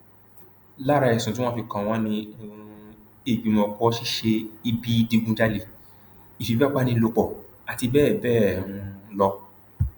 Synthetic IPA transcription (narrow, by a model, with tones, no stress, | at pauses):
la˦ɾa˧˨ɛ˨sũ˨tĩ˦ɔ̃˦fi˧kã˧˨w̃ɔ̃˦nĩ˧ | e˨ɡ͡bĩ˨mɔ̃˧kɔ˦ʃi˦ʃe˧i˧bi˦di˧ɡũ˧d͡ʒa˦le˨ | i˨fi˨ba˦k͡pa˦nĩ˧lo˧k͡pɔ˨ | a˨ti˧bɛː˦˨bɛː˦˨ɾũ˧lɔ˧